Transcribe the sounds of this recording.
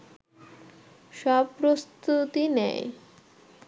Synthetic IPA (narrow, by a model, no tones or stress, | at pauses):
ʃɔbpːɾost̪ut̪inɛ̰j